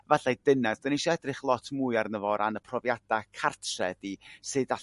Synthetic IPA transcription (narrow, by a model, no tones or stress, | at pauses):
vaɬajdɪnɛsd̥ɔniʃɔɛdrɪχlˠɔtʰmuːɨarnəvɔɾʔanəpʰrɔvjad̥akʰartʰrɛ̰disɨːda